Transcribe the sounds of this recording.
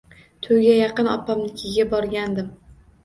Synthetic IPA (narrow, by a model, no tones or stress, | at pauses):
t̪ʰʊjɡʲajɑqɨnɒ̰pʰːamnɪkʲʰɪɡʲabɒɾɡʲand̪ɪm